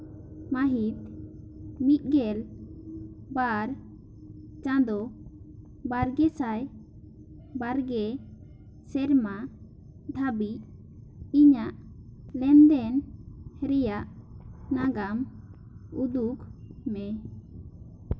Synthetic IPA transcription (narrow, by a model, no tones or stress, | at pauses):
maɦit̪̚ | mit̪̚ˀɡɛl | baɾ | t͡ʃãd̪ɔ | baɾɡɛsaj | baɾɡɛ | sɛɾma | d̪ʱabic̚ | iɲaʔlɛnd̪ɛnɾɛjaʔnaɡam | ud̪ukmɛ